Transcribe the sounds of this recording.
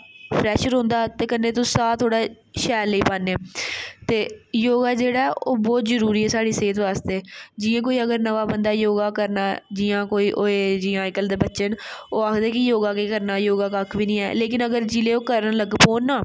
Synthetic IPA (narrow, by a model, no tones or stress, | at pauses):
pʰɾɛːʃəɾɦõːnd̪aːt̪eːkənːẽːt̪ʊ̃saːt̪ʰoːɽaː | ʃɛːlːiːpaːnːeːt̪eːjoːɡaːd͡ʒeːɽaːɛʔoːbɔːt̪zəɾuːɾiːɛːsaːɽiːseːt̪ʋaːst̪eːd͡ʒiːãːkoːiːəɡəɾnəʋaːbənd̪aːjoːɡaːkəɾnaːd͡ʒiːãːkoːiːʔoːed͡ʒiːãːɪkəld̪eːbətːʃənoːaːkʰd̪eːkɪjoːɡaːkeːkəɾnaːjoːɡaːkakʰʋiːnĩːɛ̰ːleːkɪnəɡəɾd͡ʒileːoːkəɾənləɡpoːnːaː